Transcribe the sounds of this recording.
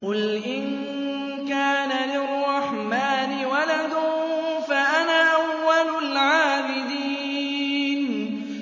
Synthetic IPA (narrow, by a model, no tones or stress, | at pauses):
qʊlʔɪn | kaːnalɪrˤːɑħmaːnɪwalad̪ʊfaʔanaːʔawːalʊlʕaːbɪd̪iː | n